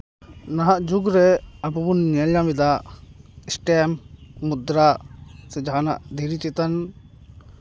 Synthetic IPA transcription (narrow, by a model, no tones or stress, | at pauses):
naɦaʔd͡ʒuɡɾɛabubunɲɛljabid̪aʔɛsʈɛmːud̪ɾasɛd͡ʒaɦana̰ʔd̪ʱiɾit͡ʃɛt̪an